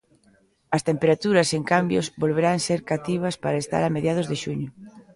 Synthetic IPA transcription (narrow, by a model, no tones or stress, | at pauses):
ɐst̪empeɾat̪uɾɐseŋkambjo̰zbolβ̞eɾaŋseɾkat̪iβ̞ɐspaɾaest̪a̰ɾameðjað̞ʊzðeʃuɲʊ